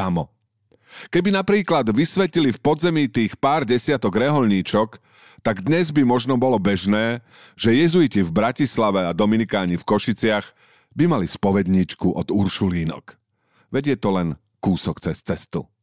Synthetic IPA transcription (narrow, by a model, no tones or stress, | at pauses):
amɔ | kɛbinapɾiːklad̪ʋisʋɛcilifpɔd̪zɛmiːt̪iːxpaːɾɟɛsɪat̪ɔɡɾɛɦɔʎɲiːt͡ʃɔk | t̪aɡd̪ɲɛzbimɔʒnɔbɔlɔbɛʒnɛː | ʒ̥ɛjɛzujicivbɾacislaʋɛad̪ɔminikaːɲifkɔʃit͡sɪaɣ | bimalispɔʋɛd̪ɲiːt͡ʃkuʔɔd̪uɾʃuliːnɔ̰k | ʋɛɟɪɛt̪ɔlɛn | kuːsɔkt͡sɛst͡sɛst̪ṵ